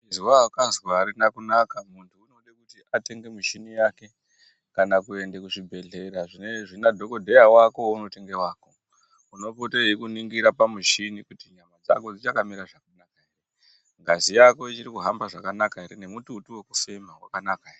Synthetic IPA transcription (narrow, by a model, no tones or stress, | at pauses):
iziwakazwaɾinakunakamuntʰuːno̞ɗekutiʔate̞ŋɡe̞muʃinijaːke̞ | kanakuendekuʂibʱe̞ɮe̞ɾaʐine̞ʐinadʱo̞ko̞dʱe̞jawako̞uno̞te̞ŋɡe̞waːko̞ | uno̞poteikuniŋɡiɾapamuʃinikutiɲamad͡za̰ko̞d͡zit͡ʃakamiɾaʐakanakaɦere | ŋɡazijako̞it͡ʃiɾikuɦambaʐakanakaɦe̞ɾene̞mututuwekufe̞mawa̰kanakaere